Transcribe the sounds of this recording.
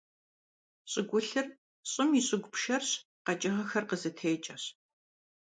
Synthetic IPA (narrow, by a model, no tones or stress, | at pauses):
ɕʼɪɡʷʊɬɨr | ɕʼɪmiɕʼɪɡʷʊpʃɐrɕ | qɐt͡ʃʼɐʁɐxɐrqəzɨtʰeːt͡ʃʼɐɕ